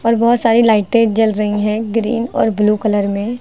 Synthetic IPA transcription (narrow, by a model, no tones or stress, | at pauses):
ɔːɾbɔːʊt̪saːɾilaːɪʈeːd͡ʒd͡ʒɐlɾɐɦiɦɛ̃ɡɾḭːnɔ̰ːɾbluːkələɾmẽ